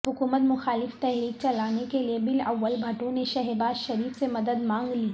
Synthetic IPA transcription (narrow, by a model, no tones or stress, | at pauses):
ɦʊkuːmət̪mʊxaːlɪft̪ɛɦɾiːk̚t͡ʃɐlaːnekeliebɪlɐʋːəlbʱɐʈõneʃɐɦɛbaːzʃɐɾiːfsemɐd̪əd̪mãːŋɡliː